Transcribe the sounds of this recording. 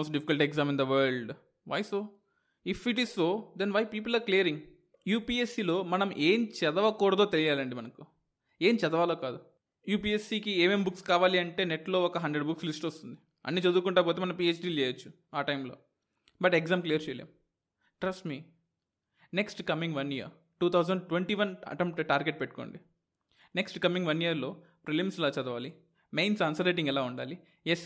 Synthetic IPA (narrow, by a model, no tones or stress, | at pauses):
oːsʈɖipʰi̥kɐlʈeɡzaːmind̪ɐʋɐɾɭɖ | ʋa̰ːjso̞ː | ifiʈ̬izso̞ːd̪enʋaːjpiːp̬ulaːɾklijɐɾiŋɡ | juːpiːesːilo̞ːmɐnɐmʔeːmt͡ʃɛd̪ɐʋɐkɔːɽɐd̪oːt̪elijaːlɐɳɖimɐnɐku̥ | e̞ːmt͡ʃɛd̪ɐʋaːloːkaːd̪u | juːpiːesːiːkieːmeːmbukskaːʋaːliɐɳʈe̞ːneʈlo̞ːɔkɐɦɐɳɖɾeɖbukslisʈɐst̪und̪i | ɐ̰nːit͡ʃɐd̪uːkuɳʈaːp̬ot̪eːmɐnɐp̬iːeːt͡ʃɖiːeːjɐt͡ʃːu̥ | aːʈɐjmlo̞̰ː | bɐʈeɡzaːmklijɐɾt͡ʃejlḛːm | ʈɾɐsʈmiː | neksʈkɐmiŋɡʋɐnijɐ̰ɾ | ʈuːt̪ʰɐwzɐɳɖʈʋeɳʈiːʋɐnɐ̰ʈemp̚ʈʈaːɾɡeʈ̚peʈːu̥koːɳɖi | neksʈkɐmiŋɡʋɐnijɐɾlo̞ː | pɾelimsɛlaːt͡ʃɐd̪ɐʋaːli | mejnsɐnsɐɾeːʈ̬iŋɡɛlaːuɳɖa̰ːli | jes